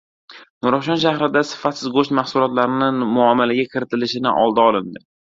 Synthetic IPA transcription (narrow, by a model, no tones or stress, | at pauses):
nʊɾɒʃɒnʃahɾɪd̪asɪ̥fat̪sɪzɡoʃt̪mahsʊlɒt̪laɾɪnɪmʊamːalaɡʲakʲʰɪɾɪt̪ʰɪlɪʃɪnɪ̰ʔɒ̰lˠd̪aɒlɪnd̪ɪ